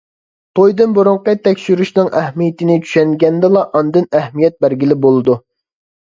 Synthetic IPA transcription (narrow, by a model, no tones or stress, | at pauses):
t̪ʰojd̪ɨnbuɾuɴqɑt̪ʰːɛkʲʃyɾyʃnɨŋæhmijɪt̪ɪnɪt͡ʃʰy̥ʃɛŋɡʲɛnd̪ɛlˠɑʔɑnd̪ɨnæhmijɛt̪̚bæɾɡʲilɪbolˠɨd̪u